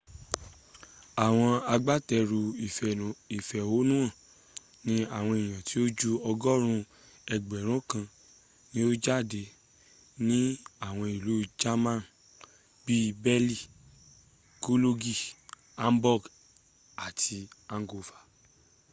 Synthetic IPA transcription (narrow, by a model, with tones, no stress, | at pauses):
a˨w̃ɔ̃˧a˧ɡ͡ba˦tɛ˧ɾu˧˨i˨fɛ˨o˨˦nũ˦ã˦˨ | nĩ˦a˦˨w̃ɔ̃˧i˨j̃ã˨ti˨˦o˦d͡ʒu˦ɔ˧ɡɔ˦ɾ̃ũ˧ | ɛ˨ɡ͡bɛ˨ɾ̃ũ˦kã˧ | nĩ˦o˦d͡ʒa˦˨de˧ | nĩ˦a˦˨w̃ɔ̃˧i˨lu˨˦d͡ʒa˦mã˦˨n | bi˦bɛ˦li˦˨ | ko˦lo˦ɡi˦˨ | a˦m˦bɔ˦˨ɡ | a˨tʰi˧ã˧ŋ˦ɡo˧fḁ˨